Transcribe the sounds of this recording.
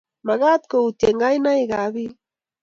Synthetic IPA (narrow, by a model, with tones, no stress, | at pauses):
ma˨ɣa˦t̪̚ko˨u˨t̪e˨ŋɡa˦jna˦i˦ɡa˨βi˦